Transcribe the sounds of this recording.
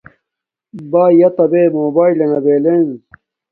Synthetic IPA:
baːjɐt̪ɐbeːmoːbaːilɐnɐbeːlen

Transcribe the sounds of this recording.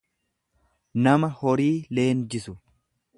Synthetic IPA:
nɐmɐhɔɾiːle̞ːnd͡ʒɪsʊ

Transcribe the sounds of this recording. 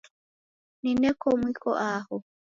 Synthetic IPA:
ninɛkɔmwikɔ̰ʔahɔ

